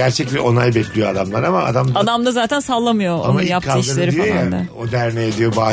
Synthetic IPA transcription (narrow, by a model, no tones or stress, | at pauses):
æɾt͡ʃʰɛclʲɛʔo̞najbɛclʲijoad̪amlˠaɾama̰ːd̪amd̪ad̪amd̪azaːt̪ʰænsalˠːamɯjo̞oa̰mauijap̚kʰːalɯiɾlʲeɾiia̰od̪æɾneed̪ijo̞baː